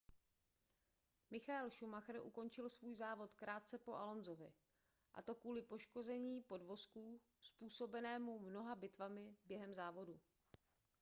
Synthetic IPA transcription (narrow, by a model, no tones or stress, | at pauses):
mɪxaɛlʃumaxɾ̩ʔuko̞nt͡ʃɪlsvuːjzaːvo̞t̪kɾʔaːt̪̚t͡sɛpo̞ʔalo̞nzo̞vɪ̰ | ʔa̰t̪o̞kvuːlɪpo̞ʃko̞zɛɲiːpo̞dvo̞skuː | spuːso̞bɛnɛːmumno̞ɦabɪt̪vamɪbjɛɦɛmzaːvo̞du